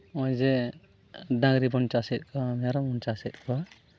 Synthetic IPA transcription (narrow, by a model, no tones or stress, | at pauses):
ɔjd͡ʒɛ | dãŋɾibɔnt͡ʃasɛt̪̚kʰɔmaɾɔmɔnt͡ʃasɛt̪̚kʰɔ